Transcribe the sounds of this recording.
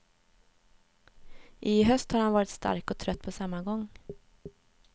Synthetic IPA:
ʔɪɦœst̪haɾhanvɑːɾɪt̪st̪a̰ɾkɔt̪ʰɾœt̪ːpʰɔsamːaɡɔŋː

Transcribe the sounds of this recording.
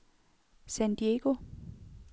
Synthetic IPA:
sænd̥ieɡ̥o̝

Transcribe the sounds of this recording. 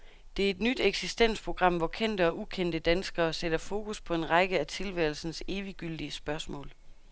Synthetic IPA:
d̥e̝æɐe̝d̥nyd̥eɡ̥sisd̥en̰spʰʁo̝ɡ̥ʁɑ̈m̰ʋɒkʰen̰d̥əɒ̽ʔukʰen̰d̥əd̥ænsɡ̥ɐːsed̥ɐfo̝ːkuspʰɒ̽e̝nʁɑ̈ɡ̥əæt͡sʰe̝lʋæːl̩sn̩se̝ːʋiɡ̥yl̰d̥iəsb̥ɶɐsmɔ̰̽ːl

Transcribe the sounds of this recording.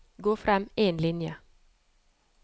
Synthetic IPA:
ɡoːfɾɛmeːnlɪnjə

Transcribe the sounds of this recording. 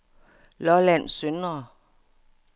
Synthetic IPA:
lɒlæn̰sønɐ

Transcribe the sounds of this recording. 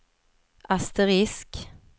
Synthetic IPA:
ʔɑst̪əʁɪsk

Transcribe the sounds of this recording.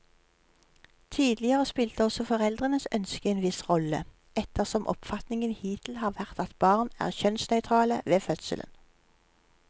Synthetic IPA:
t̪ʰiːd̪lɪəʁəspɪlt̪əɔsɔfɔʁɛld̪ʁənəsœnskəeːnʋɪsʁɔlə̰ | ɛt̪ʰəʁsɔmʔɔ̰pfɑt̪nɪŋənhiːt̪ʰl̩hɑːʁʋæʁt̪ɑt̪b̥ɑːʁnæ̰ːʁçœnsnœʏt̪ʰʁɑːləʋeːfœt̪sə̰lə̰n

